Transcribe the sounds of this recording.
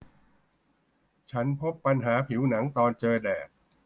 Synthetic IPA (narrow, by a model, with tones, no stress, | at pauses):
t͡ɕʰa˦˥npʰo˦˥pːa˧nɦaː˩˦pʰi˩˦wna˩˦ŋt̪ɔː˧nt͡ɕɤː˧dɛː˨˩p̚